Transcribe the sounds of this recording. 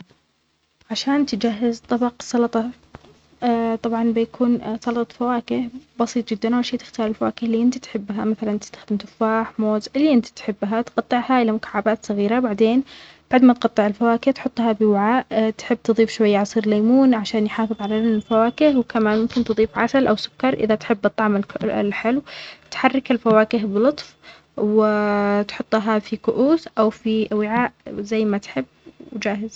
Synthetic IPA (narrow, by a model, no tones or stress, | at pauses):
ʕaʃaːnt̪ɪd͡ʒaɦːɪzt̪ˤɑbɑqsˤɑlɑt̪ˤɑ | t̪ˤɑbʕɑnbɪjakʰuːnsˤɑlɑt̪ˤɑfawaːkɪhbɑsˤiːt̪ˤd͡ʒɪd̪ːanʔawlʃeːt̪ɪ̥xt̪ɑːɾˤɪlfawaːkɪhliːʔɪnt̪it̪ħɪbːɦamaθalant̪ɪ̥st̪ḁxd̪ɪmt̪ʊfaːħmoːzʔɪlːiʔɪnt̪i̥t̪ħɪbːɦat̪qɑt̪ˤːɨʕhaʔɪlamʊkḁʕːabaːt̪sˤɑɣiːɾabaʕd̪eːn | b̥aʕd̪mat̪qɑt̪ˤːɨʕɪlfawaːkɪht̪ħʊt̪ˤːhɑbɪwaʕaːʔt̪ħɪbːt̪ɨðˤiːfʃwajːaʕɑsˤiːɾlaːmuːnʕaʃaːnjħaːfɨðˤʕalaɪlfawaːkɪhwkamaːnmʊmkɪnt̪ɨðˤiːfʕasalʔawsʊ̥kːɑɾˤʔɪ̰ðat̪ħɪbːʔɑt̪ˤɑʕmɪl̰lħɪlwt̪ħarːɪkɪlfawaːkɪɦbɪlʊt̪ˤf | wɪt̪ħʊt̪ˤːɦafikʊʔuːθʔawfiwɪʕaːʔzajːmat̪ħɪbːwd͡ʒaːɦɪz̥